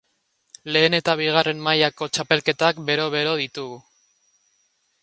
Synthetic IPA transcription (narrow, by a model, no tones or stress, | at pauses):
le̞ːne̞t̪aβ̞iɣ̞are̞mmajako̞t͡ʃape̞lke̞t̪akbe̞ɾo̞βe̞ɾo̞ð̞it̪uɣu